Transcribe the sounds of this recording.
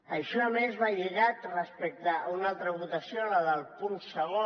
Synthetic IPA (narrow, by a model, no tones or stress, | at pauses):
əʃɔəmezβaʎəɣak̪rəspɛk̚t̪aunalˠt̪ɾəβut̪əsioləðəlˠpunsəɣo